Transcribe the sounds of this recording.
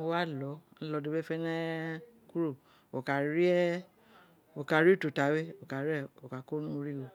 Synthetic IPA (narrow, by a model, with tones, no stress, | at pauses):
wa˦lɔ˨˦n̩˦lɔ˧˦do˧be˦fɛ˦nɛ̃˦ | ku˦ɾo˦˨ | o˨ka˨ɾi˦ɛ˦ | o˨ka˨ɾi˦˨to˨ta˨˦we˦o˨ka˨ɾi˦ɛ˦˨o˨ka˨ko˦nũ˦˧ɾi˦wo˨